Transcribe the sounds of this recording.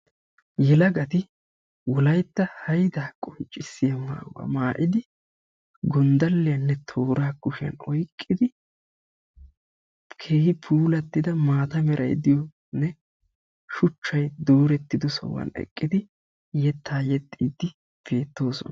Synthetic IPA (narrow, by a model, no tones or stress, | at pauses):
jɛlɐɡɐt̪ɪ | wɔlɐjt̪ːɐhɐjd̪aːkʼɔnt͡ʃʼːɪsːɪjɐma̰ːwɐ̰maːʔɪd̪ɪ | ɡɔnd̪ɐlːɪjɐnːɛt̪ʰo̞ːɾaːkːʊʃɪɐ̰nɔjkʼːɪd̪ɪ | kʰe̞ːhɪpʰuːlɐt̪ːɪd̪ɐmaːt̪ɐmɛɾʔɐ̰jd̪ɪjɔ | nɛ | ʃʊt͡ʃːɐjd̪o̞ːɾɛt̪ːɪd̪ʊsɐ̰wɐ̰nɛ̰kʼːɪd̪ɪ | jɛt̪ʰːaːjɛt̪ʼːiːd̪ːɪ | b̥e̞ːt̪ːo̞ːsɔn